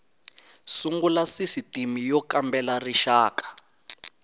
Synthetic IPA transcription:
suŋɡulasisitimijɔkambɛlariʃaːkḁ

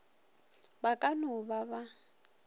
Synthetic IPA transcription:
bakʼanʊbaβa

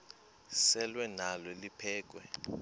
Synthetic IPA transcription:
sɛlwɛnalɔlipʰɛːk̬ʼwɛ

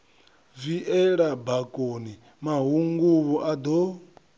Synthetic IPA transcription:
viʔɛɺabakʼoni | maɦuŋɡuβɔʔad̪ɔ

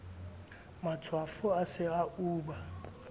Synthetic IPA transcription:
mat͡sʰwafʊasɪauːɓa

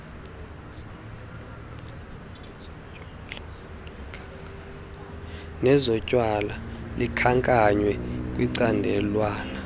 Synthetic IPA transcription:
nɛzɔcʼwalalikʰaŋkʼaɲwɛkʼwiǀandʱɛlwaːna

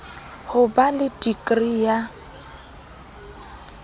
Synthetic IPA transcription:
hʊbalɪtʼikʼrija

